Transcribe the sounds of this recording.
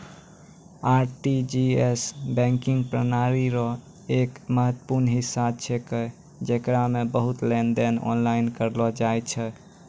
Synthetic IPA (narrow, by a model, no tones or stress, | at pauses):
aɾʈid͡ʒiesbɛ̃ŋkiŋɡpɾənaɾiɾɔ | ekməɦət̪ːə̥puɾnɦisab̚t͡ʃʰekə | d͡ʒekɾamebəɦut̪lenɖenɔ̰nlainkəɾlɔd͡ʒajt͡ʃʰɛ